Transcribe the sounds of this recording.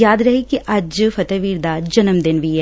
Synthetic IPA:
jaːd̪ɾɐɦikiʔɐd͡ʒfɐt̪ɛʋiːɾd̪ad͡ʒɐnəmd̪ɪnʋiɦɛ

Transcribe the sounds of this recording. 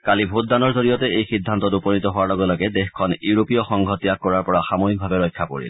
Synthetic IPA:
kalibʱut̚danɔɹzoɹijɔtɛejxidʱːantɔtupɔnitɔɦʊwalɔɡɔlɔɡɛdexkʰɔnjuɹopijɔxɔŋɡʱɔtijak̚ːɔɹaɹpɔɹaxamoɦik̚bʱabɛɹɔjkʰːapo̰ɹḭl

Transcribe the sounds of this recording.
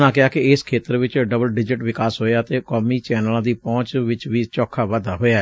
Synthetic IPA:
nãːkɪaːkɪɪskʰeːt̪əɾʋɪt͡ʃɖəbəlɖɪd͡ʒɪʈʋɪkaːsɦoːjaːət̪eːkɔːmiːt͡ʃɛːnəlãːd̪iːpɔ̃ːt͡ʃʋɪt͡ʃʋiːt͡ʃɔːkʰːaːʋəd̪aːɦoːjaɛ

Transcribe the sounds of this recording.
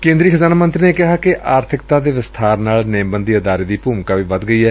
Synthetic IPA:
kẽːnd̪ɾiːkʰəzaːnamə̃nt̪ɾiːneːkɪɦaːkɪʔaːɾt̪ʰɪkt̪aːd̪eːʋɪst̪ʰaːɾnaːlneːmbənd̪iːəd̪aːɾeːd̪iːpuːmkaːʋiːʋəd̪ɡəiːɛː

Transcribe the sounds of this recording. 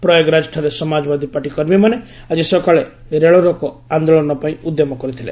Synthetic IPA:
pɾɔjɔɡɾad͡ʒʈʰɔɾesɔmad͡ʒɔbad̪ʱipaʈikɔɾmimane | ad͡ʒisɔkaɭe | ɾeɭɔɾɔkɔ | and̪oɭɔnɔpaĩud̪ːjemɔkɔɾit̪ʰilḛ

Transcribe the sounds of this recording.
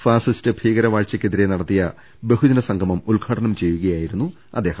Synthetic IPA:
faːsɐstɨbʱiːɣɐɾɐʋaːɻt͡ɕːɐkʲːeðiɾe̞nɐɽɐt̪ːijɐ | be̞ɦud͡ʑɐnɐsɐŋɡʱɐmɐmulɡʱaːʈʰɐɳɐmt͡ɕe̞jːuɣɐjaːjiɾunːu | ɐ̰d̪ːeːhɐm

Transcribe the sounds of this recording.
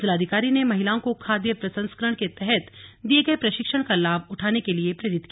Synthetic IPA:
d͡ʒlaːd̪ʱikaːɾinemɐɦɪlaːõkokʰaːd̪jəpɾɐsə̃nskəɾəɽ̃ket̪ɛɦɛt̪d̪ieɡɐepɾɐʃɪkʃəɽ̃kalaːbʊʈʰaːnekeliepɾɐɾɪt̪ki

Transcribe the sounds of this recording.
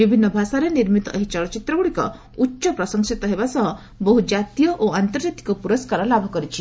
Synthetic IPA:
bibʱinːɔbʱasaɾeniɾmit̪ɔʔeɦit͡ʃɔɭɔt͡ʃit̪ɾɔɡuɽikɔ̰ | utːʃɔpɾɔsɔŋsit̪ɔɦebasɔɦɔ | bɔɦud͡ʒat̪ijɔʔoant̪ɔɾd͡ʒat̪i̥kɔpuɾɔskaɾɔlabʱɔkɔɾit͡ʃʰi

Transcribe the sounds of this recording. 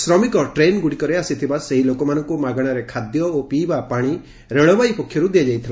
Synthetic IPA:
sɾɔmikɔʈɾenɡuɽikɔɾeasit̪ʰibaseɦilokɔmanɔŋkumaɡɔɽ̃aɾekʰad̪jɔopibapaɽ̃i | ɾeɭɔbajpɔkʰjɔɾud̪ijad͡ʒajt̪ʰila

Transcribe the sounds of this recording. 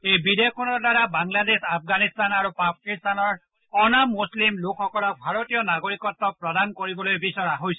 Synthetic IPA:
ejbid̪eɔkʰɔnɔdaɾabaŋlad̪esapʰɡanist̪anaɾupakist̪anɔɹ | ɔnamuslimlokʰɔkɔlɔk̚bʱaɾot̪ijɔnaɡoɾikɔt̪ːɔpɾɔd̪ankoɾibɔlojbisɔɾaɦojsɔ̥

